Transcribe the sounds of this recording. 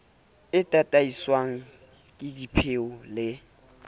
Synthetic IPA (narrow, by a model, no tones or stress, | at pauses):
ɪtʼatʼaiswaŋ̩ | kʼɪdipʰeʊlɪ